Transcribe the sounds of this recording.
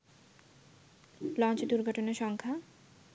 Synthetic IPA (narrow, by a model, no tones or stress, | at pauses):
lɔnt͡ɕod̪uɾɡʱɔʈoneɾʃɔŋkʰa